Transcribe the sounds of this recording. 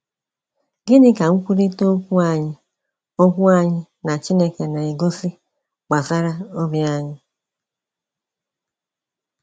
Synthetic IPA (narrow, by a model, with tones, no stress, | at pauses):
ɡɪ˦nɪ˦ka˨ŋ̩˦kʷu˦ɾe˦to˦o˦kʷu˦a˦˨ɲɪ˦ | o˦kʷu˦a˦ɲɪ˦ | na˨t͡ʃi˦ne˦ke˨na˨e˨ɡo˦sɪ˦ | k͡pa˨za˦ɾa˦o˦bi˦a˦ɲɪ˦